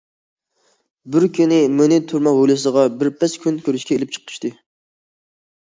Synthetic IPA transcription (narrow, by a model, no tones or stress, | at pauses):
bɪɾkʲʰynɪmønɪt̪ʰuɾmɑɦolɨsəʁɑbɪɾpʰɛskʲʰynkʲʰøɾyʃkʲɛelɪp̚t͡ʃʰə̥qʰə̥ʃt̪ɨ